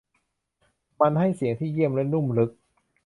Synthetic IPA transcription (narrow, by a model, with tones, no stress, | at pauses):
ma˧nɦa˥˩jsi˨˩˦əŋt̪ʰiː˥˩ji˥˩əmlɛ˦˥nːu˥˩mlɯ˦˥k̚